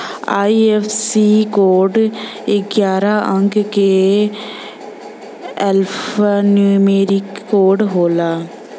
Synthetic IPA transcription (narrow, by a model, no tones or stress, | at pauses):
aːiefʰsikoːɾɖɪɡjaːɾaʔə̃ŋɡke | ɛlpːnuːmeːɾɪkːoːɾɖɦoːlaː